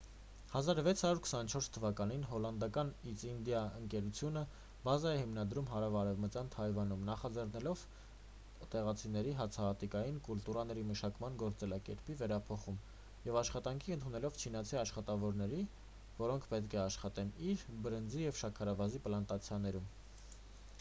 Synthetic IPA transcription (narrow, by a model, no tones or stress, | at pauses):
hɑzɑɾvɛt͡sʰhɑɾuɾkʰə̥sɑnt͡ʃʰɔɾst̪ʰːəvɑkɑn̪inɦɔlɑnd̪ɑkɑnit͡sind̪jɑəŋkɛɾut͡sʰjunə | bɑzɑɛhimnɑd̪ɾumɦɑɾɑvɑɾɛvmət͡sjɑnt̪ʰɑjvɑnumnɑχɑd͡zɛrnɛlɔv | t̪ɛʁɑt͡sʰinɛɾiɦɑt͡sʰɑɦɑt̪ikɑjinkult̪uɾɑn̪ɛɾiməʃɑkmɑnɡɔɾt͡sɛlɑkɛ̰ɾpivɛɾɑpʰɔχum | jɛvɑʃχɑt̪ɑŋkʰiənt̪ʰunɛlɔv̥t͡ʃʰin̪ɑt͡sʰiɑʃχɑt̪ɑvɔɾnɛɾi | vɔɾɔŋkʰpɛt̪kʰɛɑʃχɑt̪ɛniɾbəɾənd͡zijɛvʃɑkʰɑɾɑvɑzipəlɑnt̪ɑt͡sʰjɑnɛɾum